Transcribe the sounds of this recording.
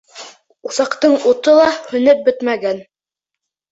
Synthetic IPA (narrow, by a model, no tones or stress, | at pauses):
uθɑqt̪ɤɴut̪ɤlˠɑhɵ̆nɘp̚bɵt̪mæɡæn